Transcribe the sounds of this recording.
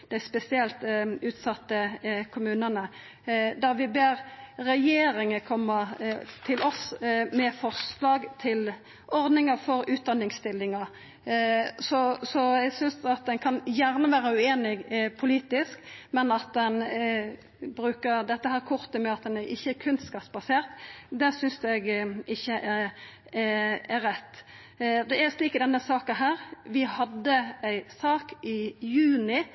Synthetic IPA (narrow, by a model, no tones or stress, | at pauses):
d̪̥æɪspɛsɪɛlt̪ʉːt̪sɑt̪ːəkʰʊmʉːnənə | d̪ɑʋɪbeːɾɾɛjeːɾɪŋəkʰɔmːət̪ʰɪlɔsmɛfɔʁslɑːɡt̪ʰɪl | ʔɔɾd̪nɪŋəfɔɾʉːt̪̚d̪ɑnɪŋst̪ɪlːɪŋɑ | sɔsɔæɪɡsʏnsd̪ɑt̪̚d̪ɛnkʰɑnjæɾnəʋæːɾəʉeːnɪɡpʰʊliːt̪ɪskmɛnɑt̪̚d̪ɛn | bɾʉːkəɾd̪ɛt̪ːəhæːɾkʰʊʁt̪əmɛɑt̪̚d̪ɛnɛʔɪçːəkʰʉnskɑːpsbɑseːʁt̪d̪ɛsʏnsɛɡʔɪçːəʔæ | æɾɛt̪ː | d̪ɛæɾsliːkəd̪ɛnːəsɑːkəɦæːɾʋɪhɑd̪ːəæɪsɑːkɪjʉːnɪ